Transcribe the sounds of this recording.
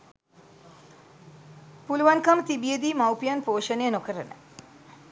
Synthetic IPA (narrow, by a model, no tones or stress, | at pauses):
puluʋankamət̪ibijed̪iːmawpijanpoːʂənejənokəɾənə̰